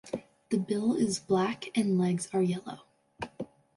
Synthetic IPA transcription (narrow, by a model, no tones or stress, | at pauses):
ðɨbɪlˠɪzblækɨ̃nlɛɡz̥ə˞jɛlˠo̰ʊ